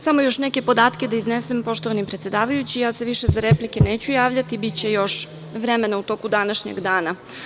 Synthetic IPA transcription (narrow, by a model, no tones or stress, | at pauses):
samo̞jo̞ʃneke̞po̞d̪aːt̪ke̞d̪aiznesempo̞ʃt̪o̞ʋanimpɾet̪sje̞d̪aːʋajut͡ɕijase̞ʋiʃe̞zaɾeplike̞neːt͡ɕujaːʋʎat̪ibit͡ɕe̞jo̞ʃ | ʋɾeme̞naut̪o̞kud̪anaʃɲḛɡd̪aːna